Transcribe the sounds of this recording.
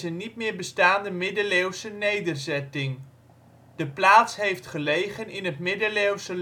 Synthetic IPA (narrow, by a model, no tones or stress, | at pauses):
zənitmɪːɹbəstaːndəmɪdəlewsənejdərzɛtɪŋ | d̥əplaːtsɦejftχəlejχənɪnətmɪdəlewsə